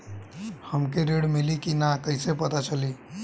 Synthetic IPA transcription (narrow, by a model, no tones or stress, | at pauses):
həmkeɾeɽmilikinakəɦɪsepət̪at͡ʃʰəli